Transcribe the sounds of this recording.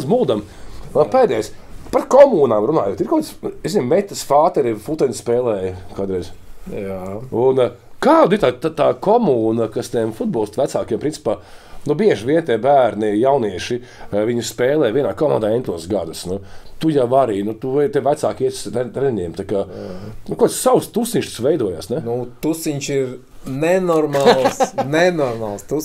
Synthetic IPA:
muːd̪am | apeːjd̪ɛjspat̪kɔmuːnaːmɾunaːjuɔt̪iɾkoɔwt̪seszinmɛt̪ʲːɐsfaːt̪ɛɾifut̪ɛnʲspɛːlˠɛːjkaːd̪ɾɛjzjaun | kaːd̪it̪aːt̪at̪aːkɔmuːnakast̪iɛmfud̪̚bɔːlˠst̪ʋæt̪saːkiːɛmpɾinsi̥paːnubiɛʒʋʲiɛnt̪iɛbæːɾnijawniɛʃi | viɲuspeːlˠɛːviɛnaːkɔma̰nd̪aːɛnt̪ʲlˠuːsɡad̪ɐsnut̪ujaʋaɾiːnut̪ut̪ɛʋæt̪saːkiɛt̪ʲsɛɾɛɲʲɛmt̪akaːnukuɔt̪ssawst̪usniɲʲʃt̪u̥sʋɛjd̪uɔja̰ːsnɛnut̪usiɲʃiɾ | nɛnɔɾmaːlˠsnɛnɔɾmaːlˠst̪u

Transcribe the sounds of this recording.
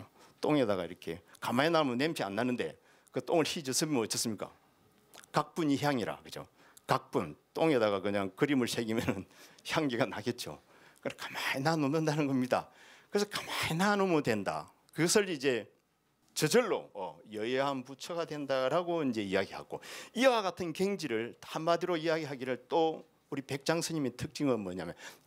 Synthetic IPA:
t͈oŋe̞daɣa̰ḭɾʌkʰe̞̰kamainamɯnemt͡ɕʰia̰nːanɯnde̞̰ | kɯt͈oŋɯɭçid͡ʑʌsʰɯmʌnʌtt͡ɕ͈ʌs͈ɯmɲik͈a̰ | kak̚p͈uɲiçjaŋiɾa̰kɯd͡ʑo̰ | kak̚p͈unt͈oŋe̞daɡakɯɲaŋkɯɾimɯɭsʰeɡimjʌnɯnçjaŋɡiɡanaɡe̞t̚t͡ɕ͈o̰ | kɯkʰḁmaɲinanonɯndanɯnɡʌmɲida̰kɯɾes̬ʰʌkḁmaɲinanomodwe̞nda̰ | kɯɡʌsʰɯɾid͡ʑe̞ | t͡ɕʌd͡ʑʌɭːo̰ʌjʌjeɦanput͡ɕʰʌɡadwe̞ndaɾaɡoind͡ʑe̞ijaɡiha̰ɡoiwaɡatʰɯnkeŋd͡ʑiɾɯɭahammadiɾoijaɡiɦaɡiɾɯɭt͈o | uɾipe̞k̚t͡ɕ͈aŋsʰɯɲimitʰɯk̚t͡ɕ͈iŋʌnmʌɲa̰mjʌ̰n

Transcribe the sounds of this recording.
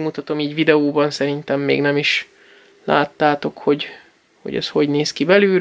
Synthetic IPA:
mut̪ɒt̪o̞miːɟvid̪ɛoːbɒnsɛɾint̪ɛmːḛːɡnɛmiʃ | la̰ːt̪ːaːt̪o̞kho̞ɟ | ho̰ɟɛ̰sho̞ɟneːskibɛlyː

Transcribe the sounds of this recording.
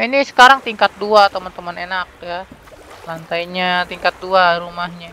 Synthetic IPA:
inisə̥kaɾaŋt̪iŋkat̪̚duat̪əmənt̪əmənenak̚jalant̪ajɲat̪iŋkat̪̚duaɾumaɦɲa

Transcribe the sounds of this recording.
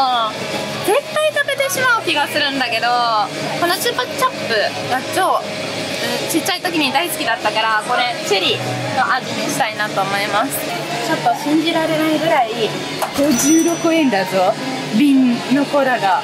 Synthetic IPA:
o | ze̞t̪ːait̪abe̞t̪e̞ɕimaɯ̟kʲiɡasɨɾɯ̟̃nd̪ake̞d̪o̞ko̞no̞t͡ɕɨpḁt͡ɕapːɯ̟ | ɡat͡ɕo̞ː | ɯ̟̃t͡ɕit͡ɕːait̪o̞kʲiɲ̟id̪aisɨ̥kʲid̪at̪ːakaɾako̞ɾe̞t͡ɕɨɾʲi | no̞ʔad͡ʑimʲiɕi̥t̪ainat̪o̞ːmo̞imasɨ̥ | t͡ɕapːɯaɕĩɲ̟d͡ʑiɾaɾe̞naiɡɯ̟ɾai | ɡ̥oʑɨːɾo̞kɯ̟ẽnd̪azo̞ | bʲĩnːo̞koɾaɡa

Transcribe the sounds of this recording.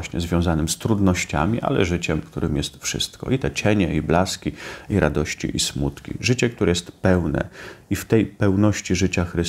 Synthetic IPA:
ɕɲɛ̰zvʲjɔ̃w̃zanɘmst̪ɾud̪nɔɕt͡ɕa̰mʲiʔa̰lɛ̰ʐɘt͡ɕɛmkt̪uɾɘmjɛst̪fʂɘ̰st̪kɔ̰it̪ɛt͡ɕɛɲɛiblaskʲiiɾʔad̪ɔɕt͡ɕḭʔismut̪kʲḭʐɘt͡ɕɛk̚t̪uɾɛjɛst̪pɛwnɛ̰ift̪ɛjpɛwnɔɕt͡ɕiʐɘt͡ɕaxɾɘ

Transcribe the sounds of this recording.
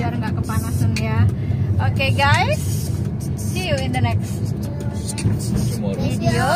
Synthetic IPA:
aɾŋɡaʔkəpanasanja | ʔokeɡajs | sijuɪnd̪ənɛks | idio

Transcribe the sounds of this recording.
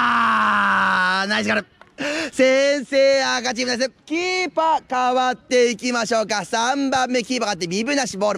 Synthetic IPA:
a | naiskaɾɯsẽɰ̃seːakat͡ɕibɯns̬ekʲiːpakaβat̪ːe̞ikʲimaɕo̞ːkasãmbãmːe̞kʲiːpakat̪ːemʲibɯ̟naɕiboːɾɯ

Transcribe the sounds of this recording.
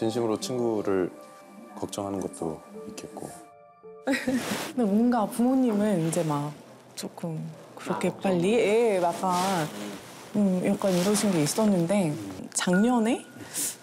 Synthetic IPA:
t͡ɕinɕʰimɯɾot͡ɕʰinɡuɾɯɭ | kʌk̚t͡ɕ͈ʌŋɦanɯnɡʌt̚t͈o̰ik͈et̚k͈o̰ | nemʌnɡapumoɲimɯnind͡ʑe̞mak̚ | t͡ɕ͈ok͈ʰɯm | kɯɾʌkʰe̞p͈aʎːiemak͈a | ɯmiɾʌk͈aniɾʌɕʰinɡois͈ʌnːɯnde̞t͡ɕaŋɲʌne̞

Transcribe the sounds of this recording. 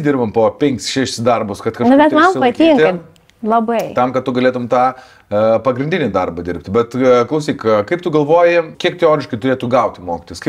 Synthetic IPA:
d̪ʲɪrbɐmpoːpʲɛŋʲkʲsʃʲæːʃʲɪsd̪ɐrbʊskɐt̪kɐʃnnʊbʲɛt̪mɐmsɪpɐt̪ʲiːŋk̪ɐm | lˠɐbɐɪt̪ɐmkɐt̪t̪ːʊɡɐlʲeːt̪ʊmt̪ɑː | pɐɡɾʲɪnʲdʲɪnʲɪd̪ɐrbɐd̪ʲɪɾʲpʲt̪ʲbʲɛt̪klˠɐʊsʲiːkkɐɪpt̪ʊɡɐlˠʋoːjɪkʲiɛk̚t̪ʲɛoːɾʲɪʃkɐɪt̪ʊɾʲeːt̪ʊɡɐʊt̪ʲɪmoːkʲɪt̪oːjskɐɪ

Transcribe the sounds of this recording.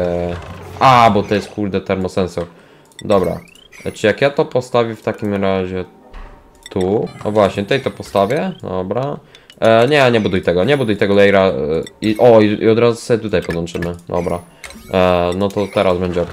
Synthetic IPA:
abɔt̪ɔjɛst̪kuɾd̪ɛt̪ɛɾmɔsɛnsɔɾ | d̪ɔbɾa̰ | t͡ʂɨjakjat̪ɔpɔst̪avʲɛft̪akʲimɾaʑɛ | t̪ʰunɔ̰vwaɕɲɛt̪t̪ɛjt̪ɔpɔst̪avʲjɛd̪ɔ̰bɾa | ɲɛɲɛbud̪ujt̪ɛɡɔɲɛbud̪ujt̪ɛɡɔlɛjɾaiʔɔiḭɔd̪ɾazusɛɛt̪ut̪ajpɔd̪wɔnt͡ʂɘmɘd̪ɔ̰bɾa | nɔt̪ɔt̪ɛɾazbɛɲd͡ʑɛɔk

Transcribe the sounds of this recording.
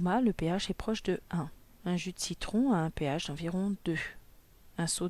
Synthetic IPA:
maləpeaʃɛpχɔʃd̪əɛ̃ | ɛ̃ʒyd̪sit̪χɔ̃aɛ̃peaʃd̪ɑ̃viʁɔ̃d̪ø | ɛ̃so

